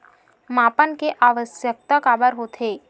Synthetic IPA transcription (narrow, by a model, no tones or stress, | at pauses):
maːpənkeʔaːʋəsjək̚t̪akaːbəɾɦoːt̪ʰeː